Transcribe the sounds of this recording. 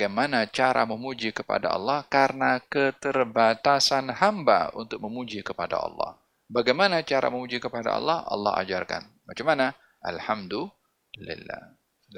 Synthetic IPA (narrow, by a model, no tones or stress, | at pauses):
ɡajmanat͡ʃaɾa̰məmud͡ʒikəpa̰da̰ɑ̰lːɑhkaɾənakət̪ərbat̪asanhamba̰unt̪ʊk̚məmud͡ʒikəpada̰ɑ̰lːɑ̰h | baɡajmanat͡ʃaɾa̰məmud͡ʒikəpada̰ɑ̰lːɑhɑ̰lːɑ̰ɦa̰d͡ʒarka̰n | mat͡ʃamana | ʔalhamdu | lḭlːa̰